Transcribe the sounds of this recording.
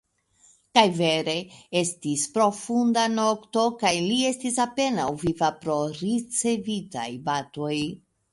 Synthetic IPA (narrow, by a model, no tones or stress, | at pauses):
kajve̞ɾe̞e̞stispɾo̞fundano̞kto̞kajlie̞stisape̞nawvivapɾo̞ɾit͡se̞vita̰jbato̞j